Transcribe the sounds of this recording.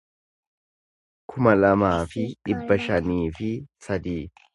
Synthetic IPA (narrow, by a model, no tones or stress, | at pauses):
kʰʊmɐlɐmaːfɪᶑɪbːɐʃɐniːfɪsɐd̪iː